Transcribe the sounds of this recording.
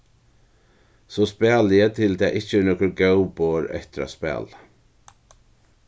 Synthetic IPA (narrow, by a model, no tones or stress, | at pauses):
sɔspɛːlɪjət̪ʰɪlt̪ʰɛːʔɪht͡ʃɪnɔkʊɾɡɛwpoːɾɛ̰ht̪ɪɾa̰spɛ̰ːla